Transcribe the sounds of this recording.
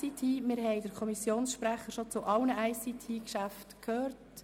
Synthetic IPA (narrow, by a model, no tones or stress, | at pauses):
itʰiːmɪɾɦɛɪdəɾkʰɔmisjoːnsʃpɾæχəɾʃot͡sʊʔɑlnəʔæɪsitʰiːkʃæftkʰøːrt